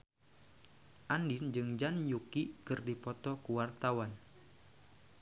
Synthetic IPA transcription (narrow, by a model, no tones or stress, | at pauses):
ʔandind͡ʒɨŋd͡ʒanjukikɨrdipɔt̪ɔkuwart̪awan